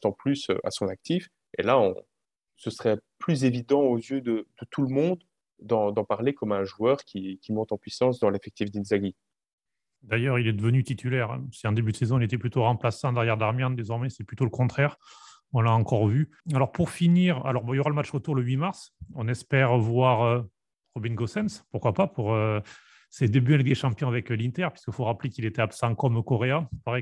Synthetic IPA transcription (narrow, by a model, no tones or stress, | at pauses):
t̪ɑ̃plysø̰ʔa̰sɔ̃nak̚t̪if | ḛlaɔ̰̃ | səsχɛplyzevid̪ɑ̃ozjød̪əd̪ət̪ʰulmɔ̃d̪ | d̪ɑ̃d̪ɑ̃paʁlekɔmɛ̃ʒuœʁkʲikʲimɔ̃t̪ɑ̃pɥisɑ̃s̬d̪ɑ̃lefɛk̚t̪ifd̪inzaɡi | d̪ajœʁilɛd̪əvənyt̪it̪ʰylɛʁɛ̰̃siɑ̃d̪ebyd̪əsezɔ̃ilet̪ɛplyt̪oʁɑ̃plasɑ̃d̪ɛʁjɛʁd̪aʁmjɛ̃nd̪ezɔʁmɛsɛplyt̪oləkɔ̃t̪χɛʁ | ɔ̃laɑ̃kɔʁvy | alɔʁpuʁfiniʁa̰lɔʁbɔ̃iljoʁaləmatt͡ʃʁət̪uʁləɥimaʁsɔ̃nɛspɛʁvwaʁø | ʁɔbinɡosɛnspuʁkwapapʰuʁø | sed̪ebyɛ̃lɛk̚d̪eʃɑ̃pjɔ̃avɛklĩnt̪ɛʁpɥi̥skəfoʁaplekilet̪ɛapsɑ̃kɔmokɔʁeapaʁɛ